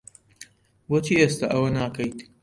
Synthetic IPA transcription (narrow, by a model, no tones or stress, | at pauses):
wot͡ʃʰiːʔest̪aʔɐwɐnaːkɐjt̪